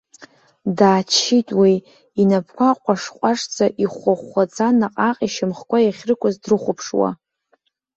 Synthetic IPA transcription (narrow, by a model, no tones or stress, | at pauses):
daːt͡ʃʰitʼwiː | napʰkʷʰaqʷʼaʂqʷʼaʂt͡sʰʼaʔiχʷaχʷːat͡sʼanaqʼaqʼiʃɪmχkʷajaχʲrɨkʷʰʼazdrɨχʷʊpʰʂwa̰